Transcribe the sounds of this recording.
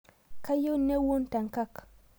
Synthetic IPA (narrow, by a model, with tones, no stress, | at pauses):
ka˦jo˦ne˦wo˦nta˨ŋka˦k